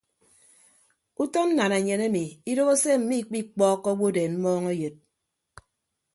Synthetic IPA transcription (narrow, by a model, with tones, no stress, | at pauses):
u˦tɔ˦n̩˦na˨ne˨ɲe˨ne˦mi˨i˦do˦ɣo˦se˦m̩˨mi˦˨k͡pi˦k͡pɔː˦kːɔ˦wo˦deː˨nm̩˦mɔː˦ŋe˦jo˨t̚